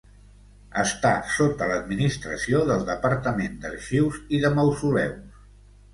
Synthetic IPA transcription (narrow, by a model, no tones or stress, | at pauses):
ə̰st̪asot̪ələd̪minist̪ɾəsioðəlˠd̪əpəɾt̪əmend̪ərʃiwziðəməwsulɛ̰ws